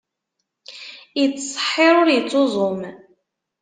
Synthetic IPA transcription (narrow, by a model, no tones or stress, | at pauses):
jət͡sːsˤə̥ħːɪɾˤʊɾjət͡sːozˤom